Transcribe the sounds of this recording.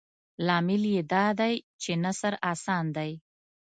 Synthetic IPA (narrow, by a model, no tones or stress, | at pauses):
lɑmɪljed̪ɑd̪ajt͡ʃenasaɾɑsɑnd̪aj